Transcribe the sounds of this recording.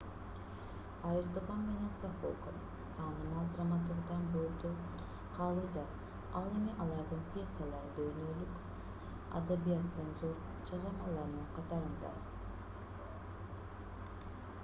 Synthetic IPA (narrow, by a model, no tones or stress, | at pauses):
aɾist̪oχɑmme̞ne̞nsafo̰kən | t̪ʰɑːnɯmɑlˠd̪ramat̪uɾd̪ɑnbøɾd̪ø | qʰɑlˠuːd̪ɑ | ɑlˠe̞miʔɑlˠɑɾd̪ɯɴpʲje̞sːalˠɑɾɯd̪øjnølyk | a̰d̪abijat̪ːɯnzo̞ɾ | t͡ʃʰɑʁɑmɑlˠɑɾnɯɴqʰɑt̪ɑɾɯnd̪ɑ̰